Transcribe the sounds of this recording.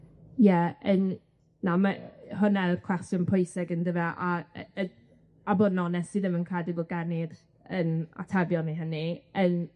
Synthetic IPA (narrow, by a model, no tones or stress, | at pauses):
jɛən | namahʊnɛlkʰw̥ɛstjʊnpʰʊjsɛɡəndəvaʔa | abodnɔnɛsiðəmənkʰadɪɡɔɡanɪd | əna̰tʰabjɔniɦəniən